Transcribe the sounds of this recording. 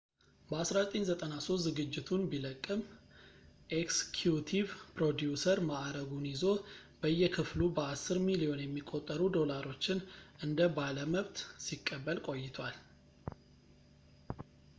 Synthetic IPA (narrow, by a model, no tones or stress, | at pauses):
bəasɾazət̪ʼeɲzət̪ʼənaso̞t̪zɨɡɨd͡ʒːɪt̪ʰunbiləkʼːɨm | ʔekskʰjut̪ʰivpɾo̞d̪jusəɾmaʔɾəɡunizo̞b̥əjːɛkʰɨflubəasːɨɾmilijo̞njɛmːikʼːo̞t̪ʼːəɾud̪o̞laɾo̞t͡ʃːɪnʔɨnd̪əbaləməβt̪sikʼːəbːəlkʼo̞jːɪt̪ʰwal